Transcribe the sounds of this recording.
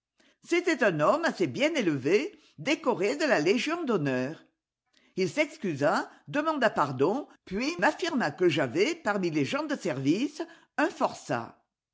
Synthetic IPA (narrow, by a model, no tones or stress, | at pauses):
set̪ɛt̪ɛ̃nɔmasebjɛ̃neləve | d̪ekɔʁed̪əlaleʒjɔ̃d̪onœːʁ | ilsɛkskyzad̪əmɑ̃d̪apaʁd̪ɔ̃pɥimafiʁmakəʒavɛpaʁmileʒɑ̃d̪əsɛʁvis | œ̃fɔʁsa̰